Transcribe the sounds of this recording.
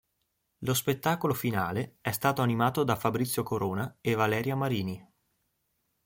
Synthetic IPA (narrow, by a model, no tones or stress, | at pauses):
lospet̪ːaːkolofinaːleɛst̪aːt̪oanimaːt̪od̪afabɾit̪sːjokoɾoːnaevalɛːɾjamaɾiːni